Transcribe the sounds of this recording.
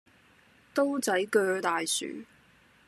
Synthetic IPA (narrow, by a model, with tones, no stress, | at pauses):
t̪o˥wt͡sɐ˨˥jkœː˧t̪aː˨jsy̰ː˨˩